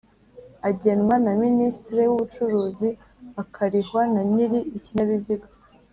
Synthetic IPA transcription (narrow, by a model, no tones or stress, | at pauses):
aɟe̞nwanaministɾewuβut͡ʃuɾuːzi | akʰaɾiɦwanaɲiɾiiciɲaβiziɡa